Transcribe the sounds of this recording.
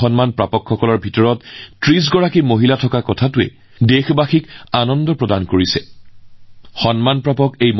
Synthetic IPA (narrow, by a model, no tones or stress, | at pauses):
ɔnmanpɹapɔkʰːɔkɔlɔɹbʱitɔɹɔttɹis̬ɡɔɹakimoɦilatʰɔkakɔtʰatʊɛ̰ | dexbaxikanɔndɔpɹɔdankoɹisɛ | xɔnmanpɹapɔkejm